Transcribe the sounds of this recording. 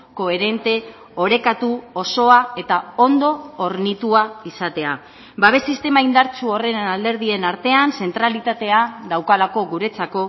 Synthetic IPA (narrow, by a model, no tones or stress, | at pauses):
ko̞e̞ɾe̞nt̪e̞ | o̞ɾe̞kat̪uo̞so̞ae̞t̪ao̞nd̪o̞ːɾnit̪uaisat̪e̞a | baβ̞e̞sist̪e̞maind̪aɾt͡suo̞re̞nald̪e̞ɾð̞ie̞naɾt̪e̞anse̞nt̪ɾalit̪at̪e̞ad̪awkalako̞ɣuɾe̞t͡sako̞